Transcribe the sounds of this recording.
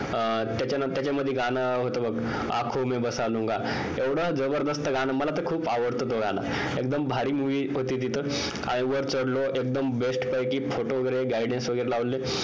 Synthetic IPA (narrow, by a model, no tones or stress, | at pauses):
t̪jat͡ɕanat̪jat͡ɕaməd̪ʱːjeɡʱanaɦot̪obəɡ | a̰kʰomebəsalũŋɡa | eʋɽəd͡zəbəɾd̪əst̪əɡanəməlat̪əkʰuːpaʋəɽt̪ət̪oɡʱana̰ | ek̚d̪əmbʱaɾiːmuʋiːɦot̪iːt̪it̪ʰə | ka̰ɽə̃ʋəɾt͡səɽloʔek̚d̪əmbesʈpəjkiːfoʈoʋəɡəɾeɡaiɖẽnsʋəɡəjɾelaʋle